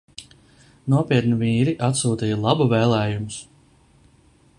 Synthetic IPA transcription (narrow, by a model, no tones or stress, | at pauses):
nuɔpiɛt̪niviːɾiʔat̪suːt̪iːjɐlˠabuvɛːlˠɛːjumʊs